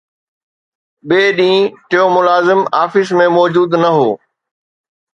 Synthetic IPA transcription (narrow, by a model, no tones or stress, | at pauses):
ɓeːɗĩːʈejoːmʊlaːzɪmaːfɪs̬mẽmɔːd͡ʑuːd̪nɐɦoː